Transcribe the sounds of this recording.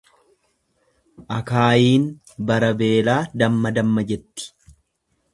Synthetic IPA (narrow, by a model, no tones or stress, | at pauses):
ʔɐkaːjiːn | bɐɾɐbe̞ːlaːd̪ɐmːɐd̪ɐmːɐd͡ʒɛt̪ːɪ̥